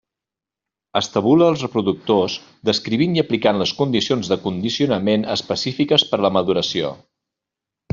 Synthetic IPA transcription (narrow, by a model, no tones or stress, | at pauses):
əst̪əβuləːlˠsrəpɾuðuk̚t̪oz | d̪əskɾiβiniəplikanləskund̪isionzðəkund̪isiunəmenəspəsifikəspəɾləməðuɾəsio̰